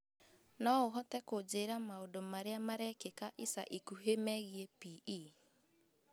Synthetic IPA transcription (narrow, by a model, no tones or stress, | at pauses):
nɔoɦɔtɛkod͡ʒeːɾamaodomaɾeamaɾɛkekaʔisa̰ʔikuɦemɛɣiepii